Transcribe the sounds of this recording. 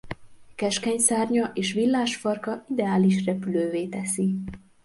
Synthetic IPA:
kɛʃkɛɲsaːrɲɒʔeːʃʋilːaːʃfɒrkɒid̪ɛaːliʃrɛpyløːveːt̪ɛsi

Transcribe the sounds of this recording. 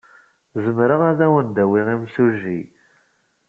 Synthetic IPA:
zəmɾəʁæðæwənd̪æwiʁimsuʒi

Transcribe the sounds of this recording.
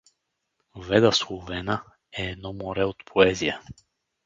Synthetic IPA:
vɛd̪əswˠovɛnə | ɛːd̪nɔmoɾɛot̪pʰoɛzijə

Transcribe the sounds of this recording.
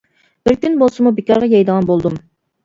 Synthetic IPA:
b̥ɪɾkʲynbolˠsɨmubekʲɑɾʁɑjɑjd̪əʁɑnbolˠd̪um

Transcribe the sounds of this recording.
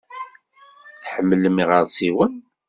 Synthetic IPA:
θħəmːləmiʁəɾˤsiwən

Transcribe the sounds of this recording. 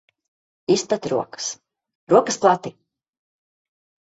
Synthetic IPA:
ist̪at̪ɾuɔkə̥s | ɾuɔkəsplˠat̪i

